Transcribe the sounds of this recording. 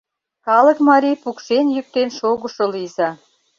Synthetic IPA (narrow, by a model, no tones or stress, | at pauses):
xɑlə̆kmɑɾʲijpukʃenjyk̚t̪enʃoɣə̆ʃolizɑ